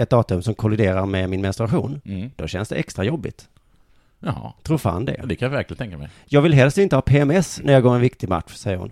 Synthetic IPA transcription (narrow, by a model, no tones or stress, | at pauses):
ɛt̪̚d̪ɑːt̪ɵmsɔmkʰɔlɪd̪eːɾaɾmɛmɪnmɛnst̪ɾaɧṵːnd̪̥ɔɕɛnsd̪ɛ̰ʔɛkst̪ɾajɔbːɪ̰t̪ | jahɑ̰t̪ʰɾuːɾfa̰nd̪ɛ̰d̪ɛkʰanjɑvæɾklɪnʰɛŋkamɛ̰ | jɑːɡvɪlɦɛlst̪ɪnt̪əhɑːpʰeɛmɛsnæɾjɑɡoːɾɛnvɪkt̪ɪɡma̰t̪ɧsɛjːəɾʊ̰n